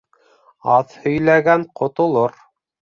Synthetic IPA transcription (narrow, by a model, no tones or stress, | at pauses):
ɑðhɵ̆jlæɡæɴqŏt̪ŏlˠoɾ